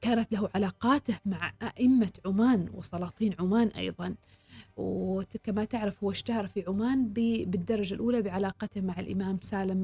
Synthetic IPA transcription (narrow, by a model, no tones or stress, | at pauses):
kaːnat̪laɦuʕalaːqɑːt̪ɪhmaʕʔaʔɪmːaʕʊmaːnwɪsˤɑlɑːt̪ˤiːnʕʊmaːnʔɑ̰jðˤɑn | wkamat̪ɪʕɾɪfhʊwːaʃt̪ahɑɾˤfiʕʊmaːnbbɪd̪ːɑɾˤɑd͡ʒalʔuːlabɪʕalɑːqɑt̪ɪhmaʕalʔɪ̰maːmsaːlɪm